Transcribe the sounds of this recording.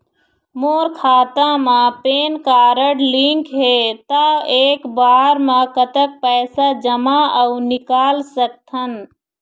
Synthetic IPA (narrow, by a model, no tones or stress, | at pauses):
moːɾkʰaːt̪ãmãpeːnkaːɾəɽlĩŋkɦet̪aeːkbaːɾmãkət̪ək̚pɛːsad͡ʒəmaəʊnɪkaːlsək̚t̪ʰən